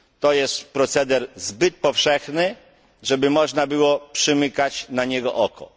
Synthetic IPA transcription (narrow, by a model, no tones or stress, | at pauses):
t̪ɔjɛst̪pɾɔt̪sɛd̪ɛɾzbɘt̪̚pɔfʂɛxnɘ | ʐɛbɘmɔʐnabɘwɔpʂɘmɘkat͡ɕnaɲɛɡɔʔɔkʰɔ̰